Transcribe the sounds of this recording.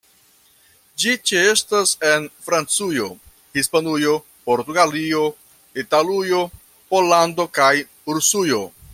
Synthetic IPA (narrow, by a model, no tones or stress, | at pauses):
d͡ʒit͡ʃeestase̞nfɾant͡sujo̞ | hispanujo̞ | po̞ɾtuɡalio̞ | italujo̞ | polando̞kaj | uɾusujo̞